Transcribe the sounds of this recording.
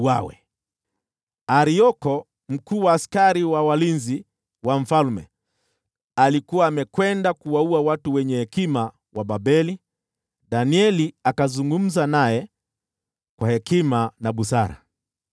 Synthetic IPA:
wawɛ̰ | aɾiɔkɔ | m̩kuːwaːskaɾiwawalinzi | waɱ̩falmɛ̰ | alikuwaːmɛkwɛndakuwauawatuwɛɲɛhɛkima | waɓaɓɛli | ɗaniɛliakazuŋɡum̩zanajɛ | kwahɛkimanaɓusaɾa̰

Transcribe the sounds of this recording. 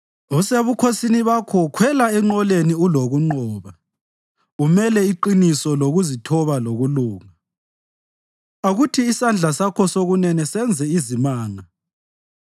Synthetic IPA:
useβukʰosiniβakʰɔkʰwɛlaɛŋ͡ǃɔleniuloɣuŋ͡ǃɔːβa | umɛlɛiǃinisɔloɣuzitʰɔβaloɣuluːŋa | aɣutʰiːsand͡ɮʱasakʰɔsoɣunɛnɛsɛnd͡zʱɛizimaːŋa

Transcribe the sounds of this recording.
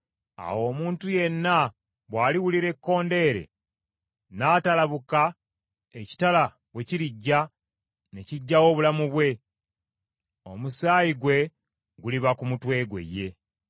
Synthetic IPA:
a̰wo̞ːmuːntuje̞nːa | βwaːliwuliɾe̞kːo̞ːnde̞ːɾe̞̰ | naːtalaβuka | eci̥tala | βwe̞ciɾiɟːa | ne̞ciɟːawo̞ːβulamuβwe̞ | o̞̰musaːjiɡwe̞ | ɡuliβakumutwe̞ːɡwe̞̰je̞

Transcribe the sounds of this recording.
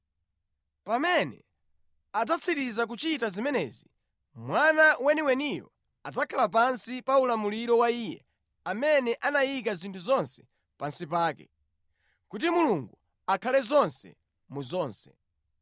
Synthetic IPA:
pamɛnɛ̰ | ad͡zat͡sʰitizak̬ut͡ʃitazimɛnɛ̰ːzi | mwanawɛniwɛnijɔ̰ | ad͡zakʰalap̬ansipaulamuliɾɔwaiːjɛ̰ | amɛnɛʔanajik̬azintʰuzɔnsɛ̥ | pansipaːkɛ̰ | kutimuluŋɡu | akʰalɛzɔnsɛ̰ | muzɔːnsɛ̥̰

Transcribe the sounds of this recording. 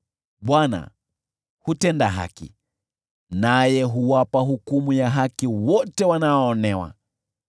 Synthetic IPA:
ɓwana̰ | hutɛndaɦa̰kḭ | najɛɦuwapaɦukumujaɦakiwɔtɛwanaɔːnɛwa̰

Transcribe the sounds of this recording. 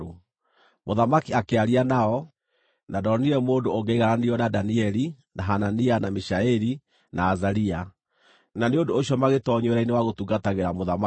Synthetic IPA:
o | moðamakiakeaɾianaɔ | nadɔniɾɛmoːndooŋɡeːɣaɾaniɔnadaniɛɾi | naɦananianamiʃaɛɾi | nʔaːzaɾia | naneondoːʃiɔmaɣetɔɲweɾainewaɣotuɡataɣeɾamoðama

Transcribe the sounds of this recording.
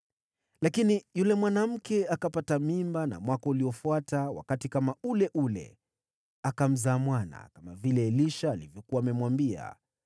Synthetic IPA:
lakinijulɛmwanam̩kɛakapatamimbana̰mwakɔuliɔfuatawa̰katikamaulɛʔulɛ̰ | akam̩zaːmwana̰kamavilɛːliʃaːlivjɔkuwaːmɛmwambia̰

